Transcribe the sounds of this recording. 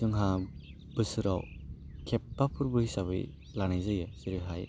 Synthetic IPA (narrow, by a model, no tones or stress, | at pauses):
sɯŋɦa | bɯsɯɾa̰w | kʰep̚ːapʰuɾbɯhisabɯ̰j | lanajzɯjesiɾɯɦaj